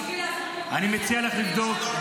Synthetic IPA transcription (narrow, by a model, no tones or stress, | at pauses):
animet͡sialeχliɡd̪ot͡ʃ